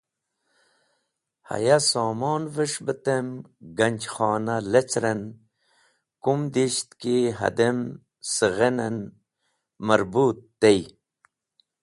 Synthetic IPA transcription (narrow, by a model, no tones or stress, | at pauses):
ha̰jasoːmoːnvəʂbət̪emɡɐnʲt͡ɕχɑːnalet͡sɾen | kumd̪iɕt̪kiɦɐ̰d̪em | səɣenɐn | mɐɾbuːt̪ːej